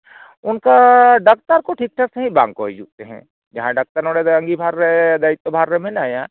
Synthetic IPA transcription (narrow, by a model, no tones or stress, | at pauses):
ʊnkaɖɐk̚t̪əɾkoʈʰik̚ʈʰəkseɦĩbã̰ːŋɡkoɦid͡ʒuk̚t̪eɦɛ̰̃ː | d͡ʒɐɦãɖɐk̚t̪əɾnoːɽeɐ̃ŋɡibʱaːɾed̪ɐɪt̪ːobʱaːɾːemẽnaːjã